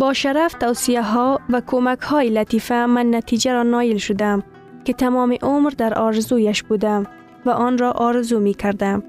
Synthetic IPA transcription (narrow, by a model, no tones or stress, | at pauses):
bɔʃaɾaft̪awsijaɦɔvakʰomakhɔːjɪlat̪ifamanːat̪ʰid͡ʒaɾɒnɒjɪlʃʊd̪am | kɪt̪ʰamɔːmɪʔʊmɾd̪aɾʔɒɾɪzujaʃbud̪am | vaʔɔnɾɔʔɔɾɪzumekʰaɾd̪am